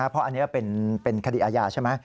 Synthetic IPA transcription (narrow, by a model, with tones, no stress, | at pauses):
a˦˥pʰɾɔ˦˥ʔa˧nːi˦˥kɔ˥˩pe˧npe˧nkʰa˧dḭ˨˩ʔaː˧jaː˧t͡ɕʰa˦˥˩jma˦˥